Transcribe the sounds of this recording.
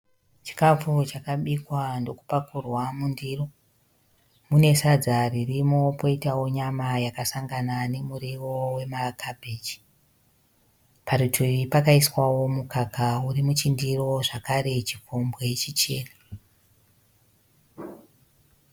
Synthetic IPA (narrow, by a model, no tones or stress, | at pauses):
t͡ʃi̥kafut͡ʃakaɓikwando̞ku̥pakurwamundiːro̞ | mune̞sad͡zaririmo̞po̞itawo̞ɲamajakasaŋɡanane̞muɾiwo̞we̞marakʰabʱeːd͡ʒi̥ | paɾutʰuiripakaiswawo̞mukakauɾimut͡ʃindiro̞ʐakaɾe̞t͡ʃikombwet͡ʃit͡ʃe̞ːna